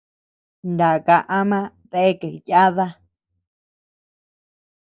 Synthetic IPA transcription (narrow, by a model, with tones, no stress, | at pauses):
nda˨ka˧ʔa˦mã˦ | t̪e˦e˦ke˨ja˦ða˦